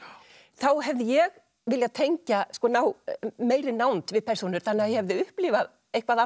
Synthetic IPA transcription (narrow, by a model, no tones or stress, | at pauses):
θawɦɛvðɪjɛɣ | vɪljaðt̪ʰeɲcaskɔːnawmeːjɾɪnawnt̪vɪðpʰɛrsunʏɾ̥θanːɪaðjɛhɛvðɪʏhpliːva | ejhkvaða